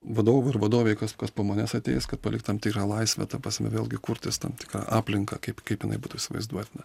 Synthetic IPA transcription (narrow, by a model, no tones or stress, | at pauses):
ʋɐd̪oːʋʊɪɾʋɐd̪oːʋʲɛɪkɐskɐspoːmɐnʲæsɐt̪ʲɛ̰ɪskɐt̪pɐlʲɪkt̪ʲɐmptʲɪːkɾɑːlˠɐɪsʲʋʲɛ̰t̪ɐpɐsʲmʲɛ̰ʋʲeːlˠʲɡʲɪkʊɾʲt̪ʲɪst̪ɐ̰mt̪ʲɪ̥kɾɑ̰ʔɑːpʲlʲɪŋkɐkɐɪpkɐɪpjɪnɐ̰ɪbuːt̪uːɪsʲɪʋɐ̰ɪzd̪uɔt̪ʲnʲɛ